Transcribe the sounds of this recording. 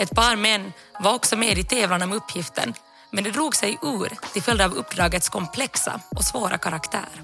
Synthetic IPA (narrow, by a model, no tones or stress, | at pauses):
ɛt̪pʰɑːɾmɛnː | vaɾɔksɔmeːd̪ɪt̪ʰɛːvlanaɔmɵpːjɪft̪ʰə̰n | mɛnd̪ɛd̪ɾuːɡsɛjʔʉːɾt̪ɪlfœld̪aːvɵpːd̪ɾɑːɡət̪skʰɔmpʰlɛksa̰ʔɔsvoːɾa̰kʰaɾakt̪ʰæ̰ːɾ